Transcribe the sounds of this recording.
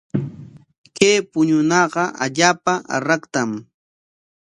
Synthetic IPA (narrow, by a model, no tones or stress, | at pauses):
kejpʊɲʊnɑɢɑʔa̰ʎaːpaʔa̰ɾɑkt̪am